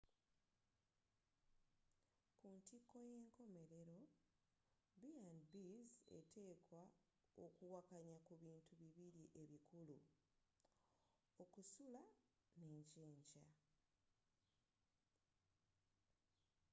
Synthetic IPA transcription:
kuntikːo̞je̞ːŋko̞me̞ɾe̞ɾo̞ | biandbize̞̰tʰe̞ːkwa | o̰kuwakaɲakuβiːntʰuβiβiɾiʔe̞βikʰulu | o̞kusula | ne̞ːɲceːɲɟa

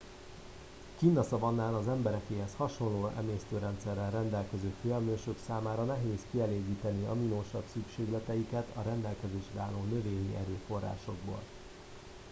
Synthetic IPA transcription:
kiːnːɒsɒvɒnːaːnɒzɛmbɛɾɛkeːɦɛshɒʃo̞nloːɛ̰meːst̪øːɾɛnt̪sɛrːɛrɛnd̪ɛlkɛzøːfyɛlmøːʃøksaːmaːɾɒnɛɦeːskiɛleːɡiːt̪ɛniɒminoːʃɒbsykʃeːɡlɛt̪ɛjikɛt̪ʰɒɾɛnd̪ɛlkɛzeːʃrɛaːloːnø̞veːɲiʔɛɾøːfo̞rːa̰ːʃo̞ɡ̚bo̰ːl

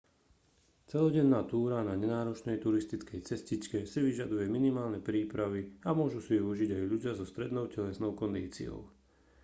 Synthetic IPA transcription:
t͡sɛlɔɟɛnːaːt̪uːɾanaɲɛnaːɾɔt͡ʃnɛjt̪uɾist̪it͡skɛjt͡sɛscit͡ʃkɛsiʋiʒad̪ujɛminimaːlnɛpɾiːpɾaʋiamʊɔʒusiɛuʒiɟajʎuɟɪazɔst̪ɾɛd̪nɔʊcɛlɛsnɔʊkɔnd̪iːt͡sḭɔ̰ʊ

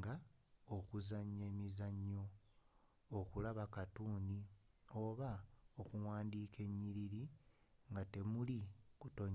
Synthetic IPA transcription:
ɡaokuzaɲːeːmizaɲːo̞ː | kulaβakatuːnio̞ːβaokuwaːndiːke̞ɲːiɾiɾiŋɡate̞mulikutoɲ

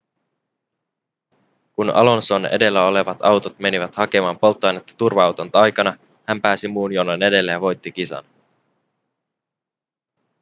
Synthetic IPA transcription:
kunɑ̰lo̞nso̞ne̞̰de̞lːæo̞le̞ʋɑt̪ɑwt̪ot̪me̞niʋæt̪hɑke̞mɑːmpo̞lt̪ːoɑjnet̪ːɑ̥t̪urʋɑɑwt̪ont̪ɑjkɑnɑ | hæmpæːsimuːnjonone̞de̞lːejɑʋo̞jt̪ːik̟isɑ̰n

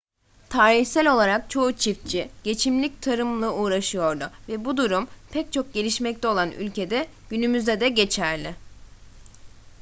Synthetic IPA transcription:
t̪ʰaːɾiçsælʲo̞lˠaɾak̚t͡ʃʰo̞ut͡ʃʰif̚t͡ʃʰiɟ̥e̞t͡ʃʰimlʲic̚t̪ʰaɾɯmlˠɯuːɾaʃɯjo̞ɾd̪ʊvɛbud̪uɾumpʰɛc̚t͡ʃʰo̞k̚ɟe̞lʲiʃmɛc̚t̪ʰɛo̞lˠany̰lʲce̞d̪ɛɟ̥ynymyzd̪ɛd̪ɛɟe̞t͡ʃʰæɾlʲɪ

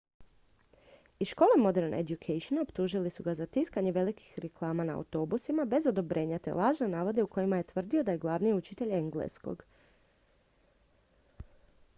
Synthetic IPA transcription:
isʃko̞ːlˠemo̞d̪eɾnḛd̪jukʰejʃonaopt̪uʒilisuɡazat̪iskaɲeʋe̞liki̥xɾeklˠaːmana̰ːwt̪o̞busimabe̞zo̞d̪o̞bɾʔe̞ːɲat̪ḛlˠaːʒnanaːʋo̞d̪euko̞jimaje̞t̪ʋr̩d̪io̞d̪ajeɡlˠaʋnijeut͡ʃit̪e̞ʎeŋɡlḛsko̰ɡ

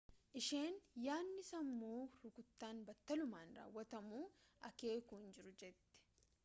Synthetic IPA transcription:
ʔɪʃe̞ːnjaːnːɪsɐmːuːɾʊkʊt̪ːaːnbɐt̪ːɐlʊmaːnra̰ːwːɐt̪ɐmuːʔɐke̞ːkuːnd͡ʒɪɾʊd͡ʒɛt̪ːɛ̥

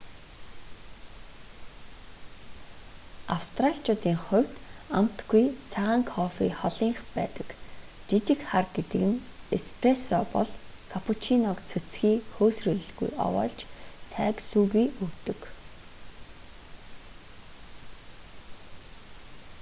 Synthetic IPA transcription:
a̰wst̪raɬʲt͡ɕʊːt̪iːŋχʊ̟w̥ʲt̪a̰m̥t̪ɡujt͡sʰaʁaːŋkʰɔfḭːχɔɮiːŋχpæːt̪ə̥̆k | t͡ɕit͡ɕɪ̆kχarɡet̪ɘ̆kɘ̆nespʰresɔːpɔ̰ɮkʰapʰut͡ɕʰinɔkt͡sʰɵt͡sxiːxoːsrɵːɮɵ̆ɮɡṵjɔ̰wɔ̰ːɮt͡ɕt͡sʰæːksuːɣiːɵkt̪ɵ̆k

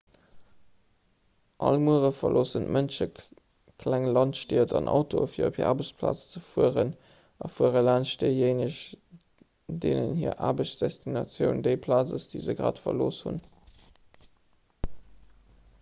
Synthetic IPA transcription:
ʔɑlmuəʁəfɐlʔoːsəntmʔənʃə | kʰlæŋlɑntʃtiːɐtʰɑnʔɑ̰ʊtʰofiːɐopʰhiːʔaːbəɕt͡spʰla̰ːt͡st͡səfuəʁən | ɑfuəʁəlæːnʃdəjeɪnəɕ | deːnənhiːɐʔaːbəɕt͡sd̥ɛstʰinɑt͡sjəʊndəɪpʰlaːt͡səsd̥iːzəɡʁa̰ːtfɐloːshṵn

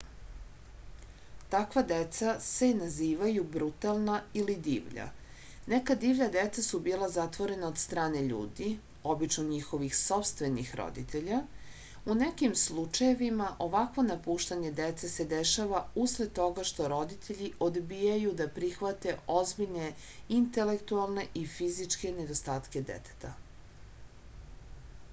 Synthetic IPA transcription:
t̪akʋad̪et̪sase̞naziːʋajubɾut̪alˠnailid̪ḭːʋʎa̰ | nekad̪iːʋʎad̪et̪sasubiːlazat̪ʋo̞ɾe̞nao̞dt̪st̪ɾaːne̞ʎṵːd̪i | o̞bit͡ʃnoɲixo̞ʋixso̞pst̪ʋe̞nixɾo̰d̪it̪ʰe̞ʎa | unekimslˠut͡ʃaje̞ʋimaʔo̞ʋakʋo̞napuːʃt̪aɲe̞d̪et̪sese̞d̪eʃaʋausled̪̚t̪ːo̞ɡaʃt̪o̞ɾo̞d̪it̪ʰeʎiʔo̞d̪bijajud̪apɾixʋat̪e̞ʔo̞zbiʎne̞ | int̪e̞lekt̪ualˠne̞ʔifizit͡ʃke̞ned̪o̞st̪aːt̪ke̞d̪ḛt̪ʰe̥t̪a

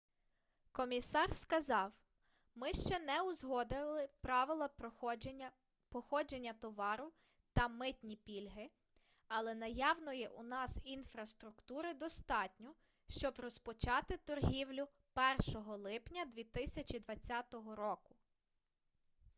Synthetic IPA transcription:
kɔmʲisɑrskɐzɑw | mɪʃt͡ʃɛnɛʊzɦɔd̪ɪlˠɪpɾɑʋɪlˠɐ | pɔxɔd͡ʒe̞nʲːɐt̪ɔʋɑɾʊ | t̪ɐmɪt̪ʲnʲipʲilʲɦɪ | ɐlˠɛnɐjɑwnɔjɛʔunɑsinfɾɐst̪ɾʊkt̪uɾɪd̪ɔst̪ɑtʲnʲɔ | ʃt͡ʃɔbrɔspɔt͡ʃɑt̪ɪt̪ɔrɦʲiwlʲʊ | pɛrʃɔɦɔlˠɪpnʲɐd̪ʲʋʲit̪ɪsʲɐt͡ʃid̪ʋɐt͡sʲːat̪ɔɦɔɾɔkʊ̥

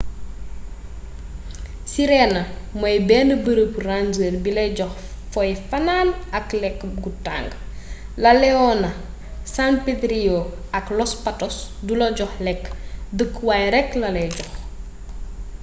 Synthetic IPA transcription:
siɾɛnɐmɔjbɛːnəbəɾəprand͡ʒərbilɛɟɔx | fɔjfɐnaːnɐklɛkːɡuta̰ŋɡ | lɐlɛɔnɐ | sanpetɾioɐklɔspatɔsdulɐɟɔxlɛkːdəkːwajɾɛklɐlɛɟɔx

